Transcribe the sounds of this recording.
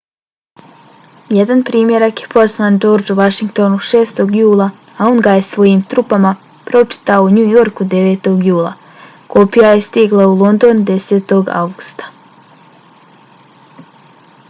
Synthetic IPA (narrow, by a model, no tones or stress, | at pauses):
jed̪anpɾiːmje̞ɾakje̞pʰo̞zland͡ʒo̞ːɾd͡ʒuʋaʃiŋkt̪o̞nuʃe̞ːst̪o̞ɡjuːlˠa | ao̞nɡaje̞sʋo̞jiːmt̪ɾupama | pɾo̞t͡ʃi̥t̪aouɲujo̞ɾkud̪e̞ʋe̞ːt̪o̞ɡjuːlˠa̰ | ko̞pijajest̪iɡlˠaulˠo̞nd̪o̞ːnd̪e̞se̞ːt̪o̞ɡa̰wɡust̪ḁ